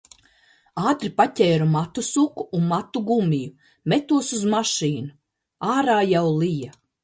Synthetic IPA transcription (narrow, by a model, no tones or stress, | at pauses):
aːt̪ɾipacʲɛːɾumat̪usukuːnmat̪uɡumʲiju | met̪uɔsuzmaʃiːnu | aːɾaːjawlˠija